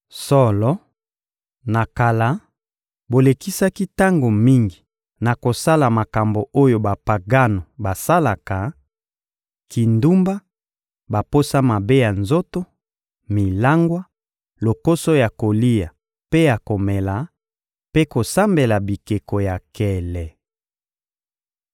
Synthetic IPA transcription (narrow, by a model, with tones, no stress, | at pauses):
sɔ˦lɔ˦ | na˨ka˨la˨˦ | bo˨le˨ki˦sa˦ki˦ta˦ŋɡo˨mi˦ŋɡi˨ | na˨ko˨sa˦la˨ma˨ka˨mbo˨o˦jo˨ba˨pa˨ɡa˦no˨ba˨sa˦la˨ka˨ | ki˨ndu˦mba˦ | ba˨po˦sa˦ma˨be˦ja˨nzo˦to˦ | mi˨la˦ŋɡwa˦ | lo˨ko˦so˦ja˨ko˨li˦ja˨ | pe˦ja˨ko˨mɛ˨la˨˦ | pe˦ko˨sa˦mbe˨la˨bi˨ke˨ko˨ja˨kɛ˨lɛ˨